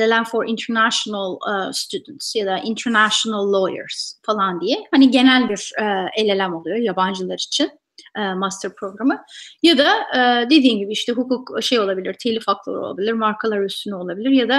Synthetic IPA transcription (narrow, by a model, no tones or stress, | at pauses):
elʲelʲænfoɾḭnt̪ʰɛɾnæʃonalˠst̪ʰyd̪nt̪sjad̪aʔint̪ʰɛɾnæʃonalˠːo̞jə̰ɾz̥falˠand̪ijɛhaniɟe̞nælʲbiɾɛelʲe̞lʲæmo̞lˠujojaband͡ʒɯlˠaɾit͡ʃʰin | ɛːmast̪ʰəɾpʰɾo̞ɡɾamɯjad̪ad̪e̞d̪iːmɟibiiʃt̪ʰɛɦukʰukʃe̞jo̞lˠabilʲiɾt̪ʰelʲifaklˠɯlˠɾo̰lˠa̰bilʲiɾmaɾkʰalˠaɾyst̪ʰynyo̞lˠabilʲiɾjad̪a